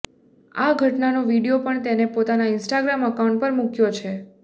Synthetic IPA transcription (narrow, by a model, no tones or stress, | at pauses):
aɡʱəʈnanoʋiɽijopəɳt̪enepot̪anaɪnsʈaɡɾaməkawũɳʈ̚pəɾmukjot͡ʃʰe